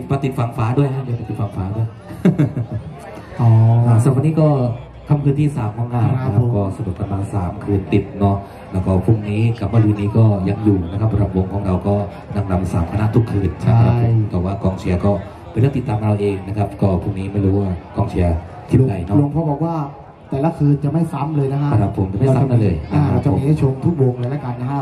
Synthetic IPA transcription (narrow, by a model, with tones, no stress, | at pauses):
pa˧t̪i˨t̪̚fa˧ŋfaː˦˥du˥˩əjkʰa˥ni˧˥˩p̪a˧i˨˩fa˧ŋfaː˦˥du˥˩əj | ʔɔː˩˦a˧˩sa˧˨˩tniː˦˥kɔː˥˩ | kʰa˧˥˩mkʰɯː˧nt̪ʰiː˥˩saː˩˦mkʰɔː˩˦ŋkaː˧˩nna˦˥kʰa˦˥p̚kɔː˥˩sa˧du˨˩t̪̚pa˧nmaː˧nsaː˩˦mkʰɯː˧nt̪i˨˩t̪̚nɔ˦˥ | lɛː˦˥wkɔː˥˩pʰu˥˩k̚niː˦˥ka˨˩mɯ˥˩kʰɯː˧nːiː˦˥kɔː˥˩ja˧ŋjuː˨˩na˦˥kʰa˦˥pʰːɾa˧mwo˧ŋkʰɔː˩˦ŋɾa˧wkɔː˥˩ | na˧ŋɾa˧msaː˩˦mkʰa˧na˦˥ʔt̪ʰu˦˥˩kʰːɯː˧˩nt͡ɕʰa˥˩a˥a˦˩˦t̪ɛː˨˩waː˥˩kɔː˧ŋt͡ɕʰi˧ɐkɔː˥˩ | pnɾɯ˥˩t̪i˨˩t̪ːaː˧mʔa˧ɾa˧wʔeː˧ŋna˦˥kʰa˦˥p̚kɔː˥˩pʰu˥˩k̚niː˦˥ma˥˩jɾuː˦˥waː˥˩kɔː˧ŋt͡ɕʰi˧ɐ | t̪ʰi˦˥˩da˨˧˩jnɔ˦˥lo˧ŋpʰɔ˧˥bɔː˨˩k̚waː˥˩ | t̪ɛː˨˩la˦˥kʰɯː˧nt͡ɕa˨˩ma˥˩jsa˦˥mlɤː˧jna˦˥kʰa˦˥a˧ɾa˧˥pʰo˧mt͡ɕa˨˩ma˥˩˧sa˦mna˥˩lɤː˧jaa˧a˧˩t͡ɕa˧˦˥t͡ɕʰo˧mt̪ʰu˥k̚wo˧ŋlɤː˧jlɛː˦˥ka˧nːa˦˥kʰa˥